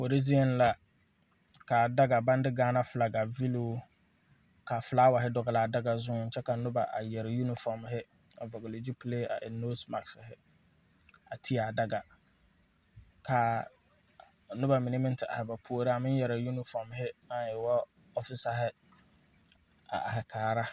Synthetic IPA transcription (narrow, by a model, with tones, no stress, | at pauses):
fo˨ɾi˦zi˦ɛ˨nla˨ | ka˨da˦ɡa˨ba˦ndɪ˦ɡaː˦na˦fʊ˨la˨ɡa˨vi˦loː˦ | ka˨fʊ˨la˦wa˨ɦɪ˦dɔ˨ɣɪ˨la˨da˦ɡa˨zʊ˦˨n̩˨t͡ʃɛ˦ka˨nʊ˦ba˨ʔa̰˨jɛ˨ɾɪ˨ju˦nɪ˦fɔ˨ɾmɦɪ˦ | a˨vɔ˨ɡɪ˨lɪ˨d͡ʒi˦pleː˦a̰˨ʔɪ˨no˦sma˨ksɪ˨hɪ˦ | a˨tʰi˦a˨da˦ɡa˨ | kʰa˨ | nʊ˦ba˨mi˨ne˦mɪ˦n˦tɪ˨a̰˨hɪ˨ba˨pʰu˦o˦ɾa˦a˨mɪ̃˦n˦jɛ˨ɾa˨ju˦nɪ˦fɔ˨m˨ɦɪ˦ma˦jɛ˨wɔ˦ | ɔ˦fɪ˦sa˨ɦɪ˦ | a̰˨a̰˨ɦɪ˨kʰaː˨ɾa˦